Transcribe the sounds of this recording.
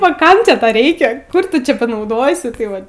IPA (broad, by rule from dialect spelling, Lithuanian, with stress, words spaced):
ɐ ˈkɐm t͡ʃʲɛ ˈtɐ ˈrʲɛɪkʲɛ ˈkʊr ˈtʊ ˈt͡ʃʲɛ pɐnɐʊˈdoːsʲɪ ˈtɐɪ ˈʋɐt